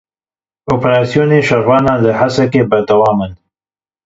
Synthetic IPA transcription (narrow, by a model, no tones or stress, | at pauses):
opɾɑsijoneʃaɾwɑːnaləhasakebəɾd̪awɑːmən